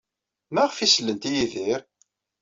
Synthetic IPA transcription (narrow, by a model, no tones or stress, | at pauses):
mæʁfislːənt̪ijiðiɾ